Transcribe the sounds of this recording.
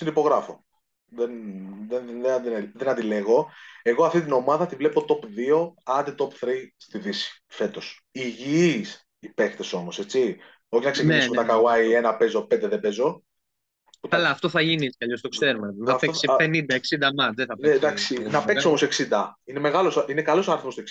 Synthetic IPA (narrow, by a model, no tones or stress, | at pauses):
sinipo̞ɣɾɐfo̞ | ðenðeðed̪iðenɐnd̪ile̞ɣo̞e̞ɣoɐft̪it̪̬ino̞mɐðɐt̪ivle̞po̞t̪o̞pðio̞ɐnd̪it̪o̞pθɾist̪iðisi̥fe̞t̪o̞s | iʝiis | ipe̞kt̪e̞so̞mose̞t͡si | o̞çinɐksecnineismet̪ɐkɐɣwɐie̞nɐpe̞zo̞pend̪eðebe̞zo̞ | putɐlɐːft̪o̞θɐʝiniskɐʎo̞st̪o̞kseɾumeɐpeksipenind̪ɐeksind̪ɐmɐt͡sðeθɐpeed̪ɐksinɐpeksio̞mose̞ksind̪ɐineme̞ɣɐlo̞sinekɐlo̞soɐɾiθmost̪oks